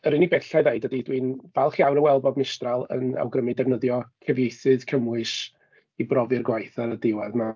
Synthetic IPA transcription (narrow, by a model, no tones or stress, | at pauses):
əɾɪnibɛɬaðeɨdədidwinvalˠχjawɾəwɛlˠbɔdmɪstralˠə̰na̰wɡrəmɨdɛvnəðjɔkʰɛvjejθɨðkʰəmwɨʃ | ibrɔvɨrɡwajθaɾədɪwaðma